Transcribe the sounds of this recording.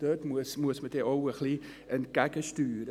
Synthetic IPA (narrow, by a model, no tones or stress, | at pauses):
d̥øtmuəsmuəsməteʔowəxli | ənkækəstyːɾə